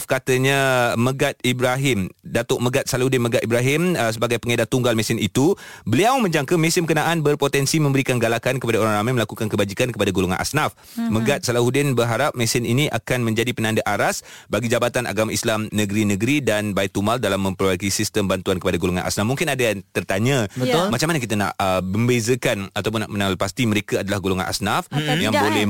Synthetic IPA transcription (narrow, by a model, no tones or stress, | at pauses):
fkat̪əɲãməɡat̪̚ibɾaɦɪmdat̪ɔʔ̚məɡat̪̚salahudɪnməɡat̪̚ibɾaɦɪmsəbaɡajpəŋedat̪ːuŋɡalmɛ̃sɪnit̪ubəliawmə̃ɲd͡ʒaŋkəmɛ̃sɪnməkənãʔanbərpot̪ɛnsimə̃mbəɾikanɡalakankəpadaoɾaŋɾamajməlakukankəbad͡ʒikankəpadaɡoloŋa̰nʔa̰snaf | məɡat̪̚salahudɪnbərɦaɾap̚mɛ̃sɪniniʔa̰kanmə̃ɲd͡ʒadipənandaʔaɾasbaɡid͡ʒabat̪anʔa̰ɡamaislamnəɡɾinəɡɾidanbaik̚t̪umaldalamːə̃mpərbakisist̪əmbant̪uankəpadaɡoloŋa̰nʔa̰snafmuŋkɪnadajat̪ərt̪aɲaəmat͡ʃamanak̬it̪ana̰ʔəməmbezəkanat̪awp̬ʊnːaʔmənãwalpast̪iməɾekaadalahɡoloŋa̰nʔa̰snafjaŋbolɛ